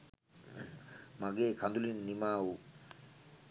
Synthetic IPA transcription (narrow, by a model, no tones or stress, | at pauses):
maɡekʰand̪ulinːimaw